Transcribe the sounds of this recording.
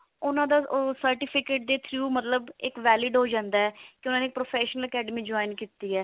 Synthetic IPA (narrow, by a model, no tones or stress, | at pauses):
ʊnãːd̪aːsəɾʈɪpʰɪkeːʈ̚d̪eːt̪ʰɾjuːmət̪ləbɪkʋɛːlɪːɖɦoːd͡ʒãːnd̪aːɛːkɪʊnãːneːk̚pɾoːpʰɛːʃnələkɛːɖmiːd͡ʒɔːɪnkiːt̪ːiːɛː